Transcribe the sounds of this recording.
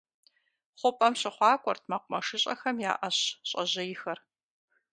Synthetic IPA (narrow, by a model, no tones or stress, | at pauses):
χʷʊpʼɐmɕɪχʷɑːkʷʼɔrtʰmɐqʷʊmɐʂɨɕʼɐxɐmja̰ːʔɐɕɕʼɐʑɐjɪxɐr